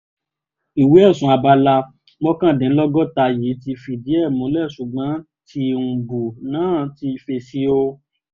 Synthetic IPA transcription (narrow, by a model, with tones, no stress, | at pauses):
i˨wi˨˦ɛ˦˨sũ˨˦a˧ba˧la˧ | ɡ͡bɔ˦kã˦˨dɛ̃˨˦lɔ˦ɡɔ˦ta˧ji˨˦ti˧fi˧˨di˨˦ɛ˦˨mũ˨˦lɛ˦˨ʃu˨ɡ͡bã˨˦ | ti˧ũ˨bu˨nãː˨˦˨ti˧fe˧si˦o˧